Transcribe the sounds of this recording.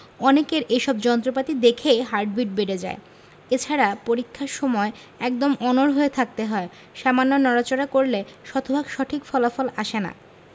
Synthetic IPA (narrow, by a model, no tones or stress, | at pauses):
ɔnekeɾʔeʃɔbd͡ʑɔnt̪ɾopat̪id̪ekʰeɦaɾɖ̚biʈ̚beɖed͡ʑa̰e | et͡ɕʰaɾapoɾikʰːaɾʃɔmɔe | ɛk̚d̪omɔnoɾɦoet̪ʰak̚t̪eɦɔe | ʃamanːonɔɾat͡ɕonakoɾleʃɔt̪ʰobʱaɡʃɔʈʰikfɔlafolaʃena̰